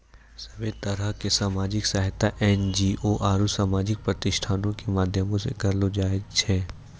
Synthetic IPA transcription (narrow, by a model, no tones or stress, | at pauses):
sɐbet̪ɐɾəɦkesaːmaːd͡ʒɪksɐɦɪt̪aʔɛːnd͡ʒiːʔoʔaːɾusaːmaːd͡ʒɪk̚pɾɐt̪ɪʃʈʰaːnõkemaːd̪ʱjəmõsḛkɐɾlod͡ʒaːɪɡt͡ʃʰɛː